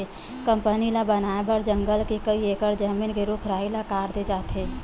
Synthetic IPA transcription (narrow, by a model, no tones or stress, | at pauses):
e | kə̃mpənilabənaːebəɾd͡ʒə̃ŋɡəlkekəieːkəɾd͡ʒəmiːnkeɾuːkʰɾaːɦilakaːɾd̪ed͡ʒaːt̪ɦeː